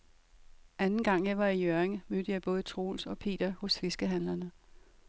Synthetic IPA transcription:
ʔænn̩ɡ̥ɑ̈ŋ̰jɑ̈ɪʋɑ̈ijøɐeŋmød̥əjɑ̈ɪb̥ɔ̽ːð̞̩ˠt͡sʰʁo̝̰ːlsɒ̽pʰe̝̰ːd̥ɐhɔ̽sfe̝sɡ̥əɦænlɐnə

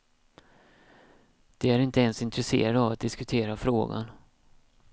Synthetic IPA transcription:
d̪̥ɛæɾɪnt̪əɛnsɪnt̪ɾɛsḛːɾad̪avat̪̚d̪ɪskɵt̪ʰeːɾafɾoːɡa̰n

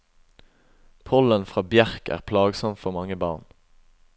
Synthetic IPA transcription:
pʰɔlənfʁɑːbjæʁkæ̰ːʁpʰlɑːɡsɔmfɔʁmɑŋəbɑ̰ːʁn

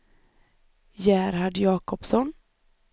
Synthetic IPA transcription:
jæːɾhaɖjɑːkɔpsɔn

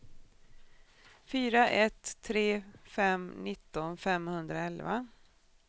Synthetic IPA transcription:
fyːɾaʔɛt̪ʰːɾeːfɛmnɪt̪ːɔnfɛmhɵnd̪ɾaɛlva̰

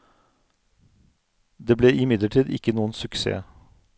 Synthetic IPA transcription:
d̪eːbleːʔɪmɪd̪ləʈʰiːd̪ɪ̰kːənuːənsʉksḛː

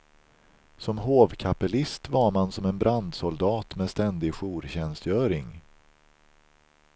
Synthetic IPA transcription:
sɔmɦoːvkʰapɛlɪst̪vaɾmansɔmɛnbɾand̪sʊld̪ɑːt̪mɛst̪ɛnd̪ɪɡɧuːɾɕɛnst̪jœːɾɪŋ

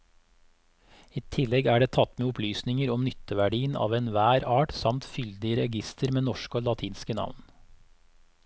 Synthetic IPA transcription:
iːt̪ʰɪlɛɡæːɖeːt̪ʰɑt̪meːʊplyːsnɪŋəɾɔmnʏt̪əʋæɖiːənɑ̰ːʋeːnʋæːɾɑːʈsɑmt̪fʏld̪ɪəɾɛɡɪst̪əɾmeːnɔʃkoːlɑt̪ʰiːnskənɑ̰ʋn

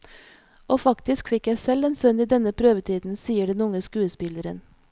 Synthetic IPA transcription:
oːfɑkt̪ɪskfɪkjæɪsɛleːnsœniːd̪ɛnəpʰɾøːʋət̪ʰiːd̪n̩siːəɖɛnʊŋəskʉːəspɪləɾə̰n

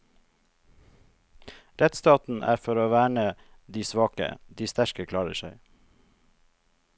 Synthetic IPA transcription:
ɾɛt̪st̪ɑːt̪n̩ʔæ̰ːfɔɾoːʋæːɳəd̪iːsʋɑːkə̰d̪iːst̪æɾkəkʰlɑːɹəʃœɪ

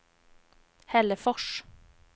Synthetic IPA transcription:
hɛləfɔʃ

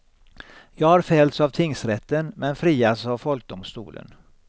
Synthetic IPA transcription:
jɑːɡhaɾfɛːlt̪savt̪ʰɪŋsɾɛt̪ːənmɛnfɾiːasavfɔlk̚d̪ʊmst̪ṵːlʔə̰n

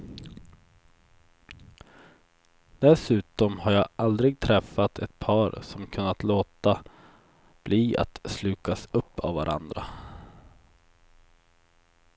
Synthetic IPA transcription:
d̪̥ɛsʉ̟ːt̪ɔmhaɾjɑːʔald̪ɾɪɡ̚t̪ʰɾɛfːat̪ʰɛ̰t̪̚pʰɑːɾsɔmkʰɵnːat̪loːt̪a | b̥liːa̰t̪slʉ̟ːkasɵpːa̰vvːa̰ɾʔa̰nd̪ɾa

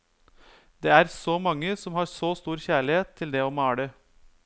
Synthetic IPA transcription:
d̪ɛːæɾsɔmɑŋːəsɔmhɑːɾsost̪uːɾçæːɭɪeːt̪ʰːɪld̪ɛɔmɑːɽə

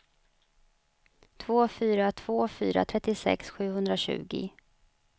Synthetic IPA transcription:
t̪ʰvoːfyːɾat̪ʰv̥oːfy̰ːɾa̰t̪ʰɾɛt̪ːɪsɛ̰ksɧʉ̟ːhɵnd̪ɾaɕʉ̟̰ːɡɪ̰

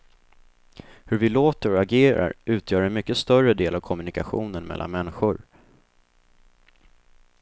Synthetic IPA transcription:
hɵɾvɪloːt̪əɾɔaɡeːɾa̰ɾʉ̟ːt̪ʰjœːɾɛnmʏkːəst̪œrəd̪eːlavkʰɔmɵnɪkaɧṵːnənmɛ̰lʔa̰nmɛnːɪɧʊɾ

